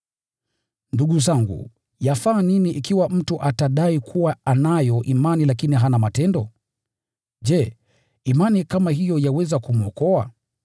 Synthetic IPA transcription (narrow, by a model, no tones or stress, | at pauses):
nduɠuzaŋɡṵ | jafaːniniʔikiwam̩tuʔataɗaikʰuwaanajɔʔimanilakiniɦanamatɛndɔ | ʄɛ | imanikamaɦijɔjawɛzakumuɔkɔa